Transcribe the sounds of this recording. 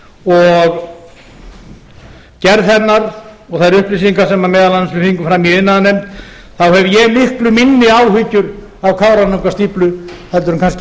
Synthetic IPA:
ɔɣ | cɛɾðθɛnːaɾɔɣθajɾʏhplisiŋkasɛmamɛːðalanːasvɪfiŋkʏfɾamjiðɪnːaðnejm̥t̪ | θawhɛvjɛmɪhklʏminːɪaːwhʏcʏɾ | avkʰaːwɾanuŋkast̪iːplʏhɛlt̪ʏɾnkans̬c

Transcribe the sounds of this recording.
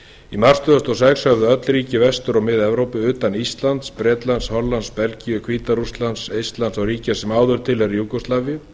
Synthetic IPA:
imar̥st̪ʏðast̪ɔsɛkshœvðʏœt̪lɾiːcɪvɛst̪ʏɾɔɣmɪðɛvɾowpɪʏːt̪anist̪lant̪spɾɛːt̪lanshɔlːanspɛlcijʏkʰv̥iːt̪aɾust̪lansejst̪lansawriːcasɛmaːwðʏɾ̥t̪ʰɪlhɛɾijukɔslavjʏ

